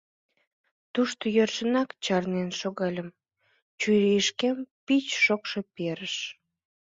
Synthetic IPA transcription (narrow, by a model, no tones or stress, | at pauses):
t̪uʃt̪ojørʃənɑkt͡ɕɑrnenʃoɣɑlʲəm | t͡ɕujɾiəʃkempit͡ɕʃokʃepeɾəʃ